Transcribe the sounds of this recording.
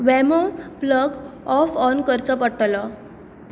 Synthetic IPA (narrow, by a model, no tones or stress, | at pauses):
ʋɛmopləɡɔfɔnkəɾt͡səpəʈːlɔ